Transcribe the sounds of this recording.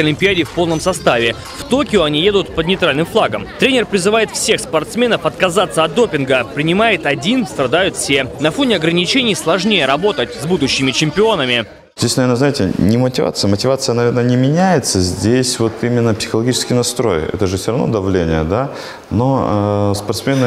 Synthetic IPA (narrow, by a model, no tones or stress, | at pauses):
ɐlʲɪmʲpʲɪadʲɪfpo̞lˠnəmsɐst̪avʲɪ | ft̪o̞kʲɪʊɐnʲije̞d̪ʊt̪pəd̪nʲɪjt̪ɾalʲnɨmflˠaɡəmt̪ɾʲenʲɪrpɾʲɪzɨvajɪt̪fsʲe̞xspɐrt̪smʲe̞nəfɐt̪kɐzat̪sːəɐt̪̚d̪o̞pʲɪnɡəpɾʲɪnʲɪmajɪt̪ɐdʲinst̪ɾɐd̪ajʊt̪fsʲe̞nɐfo̞nʲɪɐɡɾənʲɪt͡ɕenʲɪjslˠɐʐnʲejəɾɐbo̞t̪ətʲzbud̪ʊɕːɪmʲɪt͡ɕɪmʲpʲɪo̞nəmʲɪ | zʲdʲesʲnɐvernəznaɪtʲɪnʲɪmətʲɪva̰t̪sɨjəmətʲɪvat̪sɨjənɐvʲernənʲɪmʲɪnʲæjɪt̪səzʲdʲesʲvo̞t̪imʲɪnːəpsʲɪ̥xəlˠɐɡʲit͡ɕɪ̥skʲɪjnɐst̪ɾo̞̰jɛ̰t̪əʐɨfsʲoɾɐvnod̪ɐvlʲenʲɪjə̰d̪a | nospɐrt̪smʲenɨ